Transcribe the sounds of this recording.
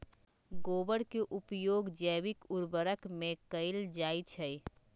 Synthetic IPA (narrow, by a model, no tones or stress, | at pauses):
ɡoːbəɽkeʔupjoːɡd͡ʒəbikuɾbəɾəkmẽkəɪld͡ʒait͡ʃʰəj